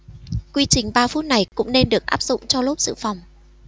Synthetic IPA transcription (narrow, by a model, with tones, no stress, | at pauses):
kwi˧t͡ɕï˨˩ŋ̟ɓaː˧fu˦˥t̚na˨˩jkʊ̰˧˥ŋ͡mne˧nɗɨ˨˩ək̚ʔaː˦˥p̚zʊ̰˧˨ŋ͡mt͡ɕɔ˧lo˦˥p̚zɨ̰˧˨fa˨˩wŋ͡m